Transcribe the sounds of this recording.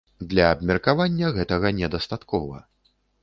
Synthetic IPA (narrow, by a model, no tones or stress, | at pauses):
d̪lʲɐːbmʲɛrkavanʲːɐɣɛt̪ɐɣɐnʲɛd̪ɐst̪at̪kɔvɐ̰